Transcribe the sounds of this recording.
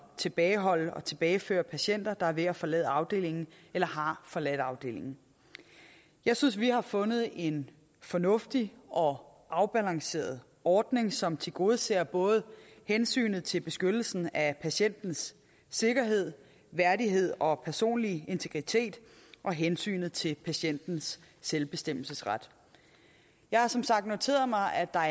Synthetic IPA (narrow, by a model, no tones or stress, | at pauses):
t͡sʰe̝b̥ɛːɪɦɒ̽l̰əɒ̽t͡sʰe̝b̥ɛːɪfø̰ːɐpʰæɕen̰d̥ɐd̥ɑ̈æɐʋe̝æfɒ̽lɛ̰ːð̩ˠɑ̈ʊd̥e̝̰ːle̝ŋn̩ | elɐɦɑ̈fɒ̽lɛd̥ɑ̈ʊd̥e̝ːle̝ŋn̩ | jɑ̈ɪsynsʋihɑ̈fɔ̽nð̞̩ˠe̝n | fɒ̽nɔ̽fd̥iʔɒ̽ | ʔɑ̈ʊb̥ælɑ̈ŋse̝̰ːɐð̞ˠ | ɒːd̥ne̝ŋsɒ̽mt͡sʰe̝lɡ̥o̝ːð̞ˠsḛːɐb̥ɔ̽ːð̞̩ˠhensy̰ːnð̩ˠt͡sʰe̝lb̥e̝sɡ̥ød̥l̩sn̩æpʰæɕen̰d̥n̩sː | e̝ɡ̥ɐɦe̝ð̞̰ˠ | ʋæɐdiɦe̝ð̞̰ˠɒ̽pʰæɐso̝̰ːnlie̝nt͡sʰe̝ɡ̥ʁit͡sʰe̝̰ːd̥ʔɒ̽ɦensy̰ːnð̞̩ˠt͡sʰe̝pʰæɕen̰d̥n̩sː | elb̥e̝sd̥em̰l̩səsʁad̥ | jɑ̈ɪhɑ̈sɒ̽msɑ̈ɡ̥̚d̥no̝t͡sʰe̝̰ːɐð̩ˠmɑ̈ɪʔæd̥ɑ̈